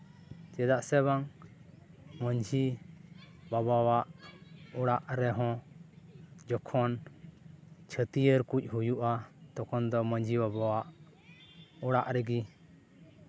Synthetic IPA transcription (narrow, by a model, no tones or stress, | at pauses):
t͡ʃɛd̪aʔsɛβaŋ | məɲd͡ʒʱi | babawaʔɔɽaʔɾɛɦɔ̃ | d͡ʒɔkʰɔn | t͡ʃʰət̪ijəɾkuc̚ˀɦujuʔat̪ɔkɔnd̪ɔməɲd͡ʒʱibabawaʔ | ɔɽaʔɾɛɡi